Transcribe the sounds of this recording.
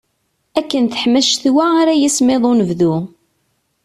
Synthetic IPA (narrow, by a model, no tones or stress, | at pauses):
ækːənθə̥ħməʃθwæaɾæjismeðˤonəvðu